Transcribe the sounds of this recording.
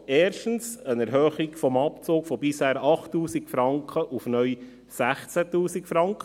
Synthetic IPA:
ɛːɾʃtən̩sənɛɾɦøχiɡfɔmɑpt͡soːkfɔbɪshæːɾɑχtːuːsikfɾɑŋkχəʔufnœj | sæχt͡sætuːsikfɾɑŋkχə

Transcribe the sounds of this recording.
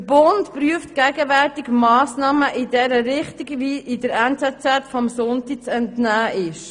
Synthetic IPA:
əbʊntpɾyəftɡ̥æɡəʋɛrtikmɑːsnɑːməʔɪdɛɾəɾɪχtiɡviʔɪdəɾɛnt͡sɛt͡sɛtfɔmsʊntik̚t͡sɛntnæːʔɪʃ

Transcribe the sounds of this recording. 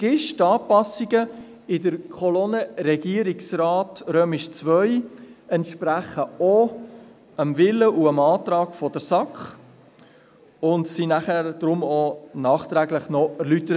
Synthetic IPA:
ɡ̥ɪʃtɑːpɑsiɡə | ɪdəɾkʰɔlonəɾɛɡiəɾiksrɑːtɾøːmɪʃt͡svœʏɛntʃpɾæχəo | əmvɪləʔuəmɑːtɾɑːɡ̥fɔdəɾsɑkχ | ʊntsinæχæɾd̥ɾʊmonɑːχt̪ɾæɡləχnɔæɾlytəɾə

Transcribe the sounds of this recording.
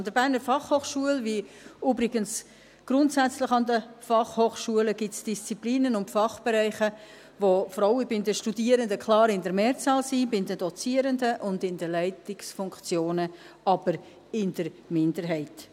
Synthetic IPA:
nd̥əɾbæːɾnəɾfɑχhoːχʃuəlvi | yːbɾɪɡ̥əns | ɡ̥ɾʊntsæt͡slɪχɑndəfɑχhoːχʃuələɡ̥ɪtsd̥ist͡sipliːnənʊntfɑχb̥ɛɾɛɪχə | ʋofɔɾɑwəbɪndəʃtudiəɾəndəkʰlɑːɾɪndəɾmeːɾt͡sɑːlsibɪndəd̥ɔt͡siəɾəndəʔʊndɪndəlɛɪtɪksfʊŋkt͡sjoːnə | ɑb̥əɾ | ɪndəɾmɪndəɾɦɛɪt

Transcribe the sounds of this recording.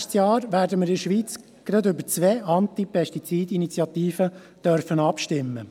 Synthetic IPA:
t͡sjɑːɾʋæːɾdəməɾɪʃʋiːt͡s | ɡ̥ɾɑd̪ʏbəɾt͡sʋɛːʔɑnt̪ipʰɛʃtit͡siːdinit͡sjɑt̪iːfə | d̥œɾfənɑpʃtɪmːə

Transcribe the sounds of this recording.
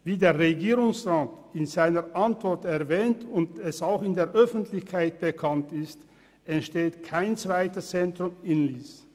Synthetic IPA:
viːdeːɐʁeɡiːʁʊŋsʁaːtɪnzaɪnəʔantv̥ɔʁtɛɐvɛːntʊndɛsaʊxɪndeːɐʔœfn̩tlɪçkʰaɪt̚b̥əkʰantɪst | ɛntʃteːtkʰaɪnt͡sv̥aɪtəst͡sɛntʁ̥ʊmɪnliːs

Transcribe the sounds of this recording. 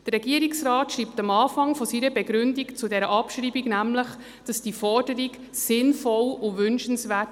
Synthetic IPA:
d̥ərɾɛɡiəɾiksɾɑːtʃɾiːptɑmɑːfɑŋfɔsiɾəbɛɡɾʏndikt͡sudɛɾəʔɑpʃɾiːbiɡnæmləχ | d̥ɑsd̥ifɔrd̥əɾik | sɪnfɔlʊʋʏnʃənsʋæːt

